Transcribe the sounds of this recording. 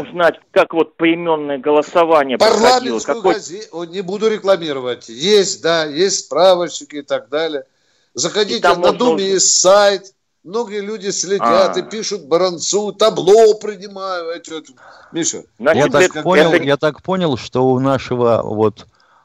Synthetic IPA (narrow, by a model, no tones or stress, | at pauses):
znatʲkakvo̞t̪̚pəɪmʲo̞nːəjəɡəlˠəsɐvanʲɪjəpɐrlˠamʲɪnlˠsʊjʊɡɐzʲenʲɪbud̪ʊɾʲɪklˠɐmʲiɾəvətʲjesʲt̚ʲd̪ajesʲtʲspɾavəɕɪkʲɪɪt̪aɡ̚d̪alʲɪjə | zəxɐdʲit̪ʲɪmɐd̪umʲɪjesʲtʲsajt̪ | mno̞ɡəjəlʲudʲɪsʲlʲɪaɨpʲiʂʊt̪̚bəɾɐnt̪sut̪ɐblˠopɾʲɪnʲɪmajʊɛt̪ʲet̪ʊ | mʲiʂə̰najat̪apoɪljat̪akpo̞nʲɪlˠʂt̪oʊnaʂəvə̰vot̪